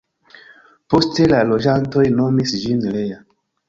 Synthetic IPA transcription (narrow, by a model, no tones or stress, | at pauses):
po̞ste̞lalo̞d͡ʒanto̞jno̞misd͡ʒinleja